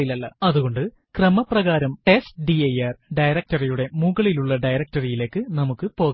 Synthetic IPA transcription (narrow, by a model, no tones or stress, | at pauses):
ilɐɭːɐ̰ɐðuɣo̞ɳɖɨ | krɐmɐprɐɣaːɾɐmʈe̞stɖiɐjɐrɖɐjɾɐk̚tɐrijuɽe̞muɣɐɭiluɭːɐɖɐjɾɐk̚tɐrijile̞ːkːɨnɐmukːɨpo̞ːɣɐ